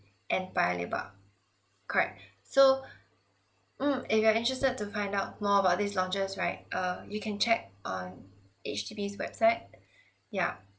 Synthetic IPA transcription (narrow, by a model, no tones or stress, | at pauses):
ʔɛ̃npaɪəlḛba̰ | kʰɔɹɛ̰k̚ | so | m̩ɪfjuaɪ̃ntɹɛstəd̚tːufãɪ̃ndaʊt̚mɔəbaʊt̚dislɔ̃nt͡ʃəsɹaɪt̚ʔʌjukʰɛ̃nt͡ʃɛk̚ʔɔ̃n | ḛt͡ʃdibiswɛ̰b̥saɪt̚ | ja̰